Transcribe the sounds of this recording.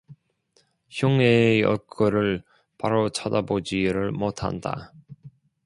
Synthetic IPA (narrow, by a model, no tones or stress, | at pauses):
çjoŋejʌ̰ɭk͈ɯɾɯɭ | paɾot͡ɕʰadabod͡ʑiɾɯɭmotʰa̰nda̰